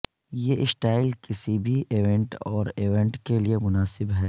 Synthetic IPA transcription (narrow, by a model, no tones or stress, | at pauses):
jeːʔɪsʈaːɪlkɪsibʱiʔeːʋɛ̃ɳʈɔːɾeːʋɛ̃ɳʈkeliemʊnaːsɪbɦɛː